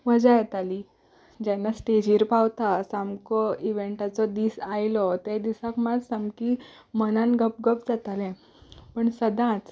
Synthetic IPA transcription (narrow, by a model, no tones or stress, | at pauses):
ʋəd͡zajt̪ali | d͡ʑɛnːasʈed͡ʑiɾpawt̪asamkɔiʋeɳʈat͡sɔd̪iːsajlɔt̪ad̪isãkmad͡zsamki | mənãnɡʱəp̚ɡəp̚d͡zat̪alɛ̃ | pəɳsəd̪ãt͡s